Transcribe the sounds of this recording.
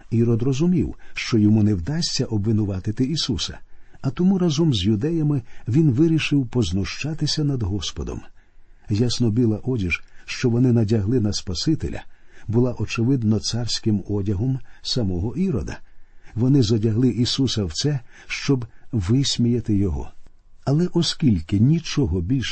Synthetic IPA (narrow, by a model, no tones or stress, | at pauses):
iɾɔd̪rɔzʊmʲiwʃt͡ʃɔjɔmunɛwd̪asʲt͡sʲːɐʔɔbʋɪnʊʋɑt̪ɪt̪ɪisusɐ̰ɐt̪ɔmuɾazɔmzʲjʊd̪ɛjɐmɪʋʲinʋɪɾʲiʃɪwpɔznʊʃt͡ʃat̪ɪsʲɐnɐd̪ɦɔspɔd̪ɔ̰m | jasnɔbʲilˠɐʔɔdʲiʒʃt͡ʃɔʋɔnɪnɐdʲɐɦlˠɪnɐspɐsɪt̪ḛlʲɐ̰bʊlˠaʔɔt͡ʃɪʋɪd̪nɔt̪sarsʲkɪmɔdʲɐɦɔmsɐmɔɦɔʔiɾɔd̪ɐ̰ʋɔnɪzɐdʲɐɦlˠɪʔisusɐwt̪sɛʃt͡ʃɔbʋɪsʲmʲijɐt̪ɪjɔɦɔ̰ | ɐlˠɛʔɔskʲilʲkɪnʲit͡ʃɔɦɔbʲilʲʃ